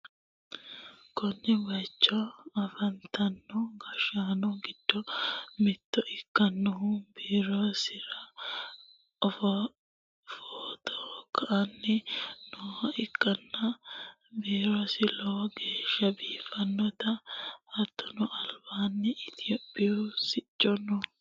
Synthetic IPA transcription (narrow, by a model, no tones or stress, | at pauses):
kɔnːɛwɐjt͡ʃːɔɐfɐnt̪ʰɐnːɔɡɐʃaːnɔɡɪd̪̥ːɔmɪt̪ːɔʔɪkːɐnːɔɦʊbiːɾosɪɾɐ | ɔf | foːt̪ʰɔkʰːɐʔɐnːɪnɔɐɪkʼːɐnːɐ | biːɾosɪloːɡe̞ːʃːɐbiːfɐnːɔt̪ɐɐt̪ːɔnɔʔɐlbaːnːɪɪt̪ʰɪjoːpʼːɪjusɪt͡ʃʼːɔnɔ